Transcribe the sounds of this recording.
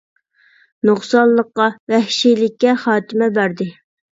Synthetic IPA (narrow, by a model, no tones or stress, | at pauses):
noχsɑlːˠəqːɑvɛhʃijlɪkʲːɛχɑːt̪ʰɪmɛbæɾd̪ɪ